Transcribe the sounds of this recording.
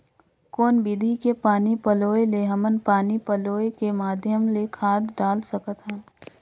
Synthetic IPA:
kɔːnbid̪ʱikepaːnipəloːeleɦɐmənpaːnipəloːekemaːd̪ʱjəmlekʰaːd̪ɖaːlsəkət̪ɦɛ̃ː

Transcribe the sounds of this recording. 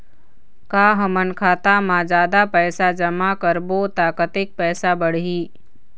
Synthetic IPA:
kaːɦəmənkʰaːt̪amãd͡ʒaːd̪apɛːsad͡ʒəmakəɾbot̪aːkət̪ɪk̚pɛːsabəɽ̤ɦiː

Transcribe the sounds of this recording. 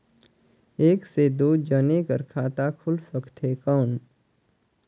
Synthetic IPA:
eːksed̪oːd͡ʒənekəɾkʰaːt̪akʰʊlsəkt̪ɦekɔːn

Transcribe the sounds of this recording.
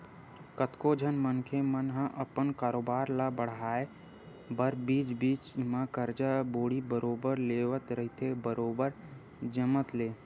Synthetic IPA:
kət̪kod͡ʒʱənmənkʰemənɦə̃ʔəpənkaːɾoːbaːɾlabəɽ̤aːe | bəɾbiːt͡ʃbiːt͡ʃɪmakəɾd͡ʒaboːɽibəɾoːbəɾleːʋət̪ɾəɦɪt̪ʰebəɾoːbəɾ | d͡ʒəmət̪leː

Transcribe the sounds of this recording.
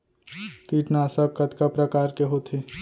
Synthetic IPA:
kiːʈnaːsəkɐt̪kapɾəkaːɾkeɦoːt̪ʰe

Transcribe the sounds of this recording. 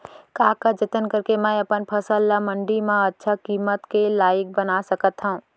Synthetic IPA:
kaːkəd͡ʒɪt̪ənkəɾkemɛ̃əpənpʰəsəlːaməɳɖimãətːʃʰakiːmət̪kelaːjɪk̚bənasəkət̪ɦəũ

